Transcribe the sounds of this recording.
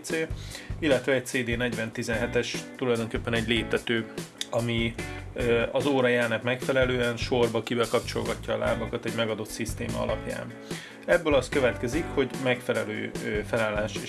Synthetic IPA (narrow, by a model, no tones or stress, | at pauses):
t̪seːilːɛt̪ʋɛɛc̚t̪seːd̪eːnɛɟvɛnt̪izɛnɦɛt̪ɛʃt̪ulɒjd̪o̞ŋkeːpːɛnɛɟleːp̚t̪ɛt̪øːɒmi | ɒzoːɾɒjɛlnɛkmɛkfɛlɛløːɛnʃo̞rbɒkibɛkɒpt͡ʃo̞̰lɡɒcːɒːla̰ːbɒkɒt̪ɛɟmɛɡɒd̪o̞t̪sist̪eːmɒ̰ɒ̰lɒpja̰ːn | ɛbːølɒst̪køvɛt̪kɛzikho̞ɟmɛkfɛlɛlø̰ːfɛlaːlːaːʃe